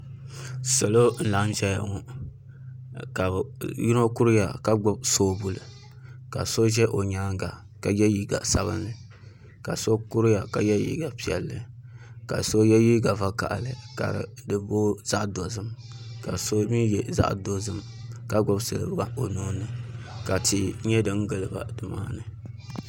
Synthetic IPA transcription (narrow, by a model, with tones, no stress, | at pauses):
so˨lo˦n̩˨la˨˦ʒɛ˦ja̰˨ŋu˨ | ka˨ji˦no˦ku˦ɾɨ˦ja̰˨ka˦ɡ͡bɔ˦b̚so˦bu˨lɨ˨ | ka˨so˦ʒɛ˦ʔo˨ɲaː˦ŋɡa˨ | ka˨jɛ˦ji˦ɡa̰˨sa˦βɨ̰˦nːɨ˨ | ka˨so˦ku˦ɾja˨ka˨jɛ˦jḭ˦ɡa˨pi˨ɛ̰˨lːɨ˨ka̰˨so˦jɛ˦ji˦ɡa˨va˦ka̰˨ʔlɨ˨ka̰˨ɾɨ̰˨dɨ˨bo˦z̥a˦ʔdo˨zɨ˦m | ka˨so˦mi˦jɛ˨za̰˦ʔdo˦zɨ˦m | ka˨ɡ͡bɔ˦bsɨ̰˨l̰ba˦o˨nu˦nɨ˨ka˨ti˨ɲɛ˦dɨ˨ŋ̩˦ɡɨ˨lɨ˨ba̰˨dɨ˨ma̰ː˦nɨ˨